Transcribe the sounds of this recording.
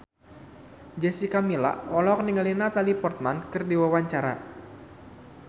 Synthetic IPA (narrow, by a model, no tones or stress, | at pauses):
d͡ʒɛsikamila̰ɔlɔk̚niŋalinat̪alipɔrt̪̚mankɨrdiwawaɲt͡ʃaɾa̰